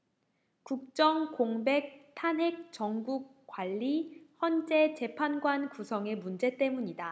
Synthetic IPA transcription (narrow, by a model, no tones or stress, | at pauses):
kuk̚t͡ɕ͈ʌŋkoŋbe̞k̚tʰanɦe̞k̚t͡ɕʌŋɡuk͈̚ːwaʎːihjʌnd͡ʑe̞t͡ɕe̞pʰanɡwankusʰʌŋe̞mund͡ʑe̞t͈e̞muɲida